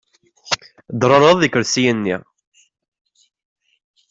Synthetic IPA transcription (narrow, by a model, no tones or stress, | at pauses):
d̪ɾˤɑɾˤɑðˤikːəɾsijənːḭ